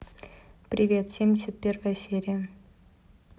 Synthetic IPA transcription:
prʲivʲet̪fsʲemʲdʲɪsʲət̪̚pʲervajəsʲeɾʲiə

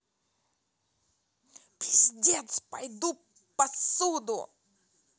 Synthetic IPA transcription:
pʲɪzʲdʲet̪spɐjd̪u | pɐsud̪ʊ̰

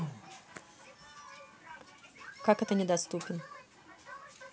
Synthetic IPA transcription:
kakɛt̪ənʲɪd̪ast̪upʲɪn

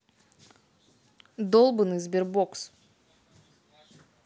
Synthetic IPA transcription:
d̪olˠbɨnɨzbeɾboks

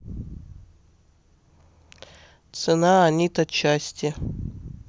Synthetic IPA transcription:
t̪sɨnaːnʲit̪ɐtt͡ɕasʲtʲɪ

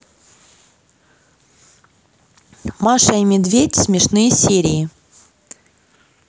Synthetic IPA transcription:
maʂɐimʲɪd̪vʲetʲsʲmʲɪʂnɨjəsʲeɾʲɪɪ

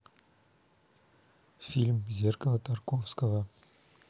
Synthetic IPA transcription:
fʲilʲmzʲerkəlˠət̪ʰarkofskəva

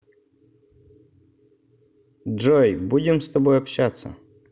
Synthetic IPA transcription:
ʐojbudʲɪmst̪ɐbojɐpɕat̪sːə̰

